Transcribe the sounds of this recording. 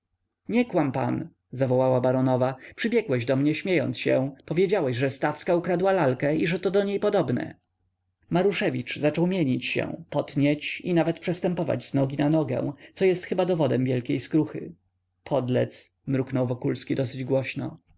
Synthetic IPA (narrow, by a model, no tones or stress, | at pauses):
ɲɛkwampa̰n | zavɔwawabaɾɔnɔvapʂɘbʲjɛɡwɛʑd̪ɔmɲɛɕmʲjejɔ̰nt̪sɕɛ̃pɔvʲjed͡ʑawɛɕʐɛst̪afskaukɾad̪walalkɛiʐɛt̪ɔd̪ɔɲejpɔd̪ɔbnɛ̰ | maɾuʂɛvʲit͡ʂzat͡ʂɔwmʲjeɲit͡ɕɕɛ̰̃pɔt̪ɲɛt͡ɕinavɛt̪̚pʂɛst̪ɛmpɔva̰d͡ʑznɔɡʲinanɔɡɛ̰̃w̃t̪sɔjɛst̪xɘbad̪ɔvɔd̪ɛmvʲjɛlkʲejskɾuxɘ̰ | pʰɔd̪lɛ̰t̪smɾuknɔwvɔkulskʲid̪ɔsɘd͡ʑɡwɔɕnɔ̰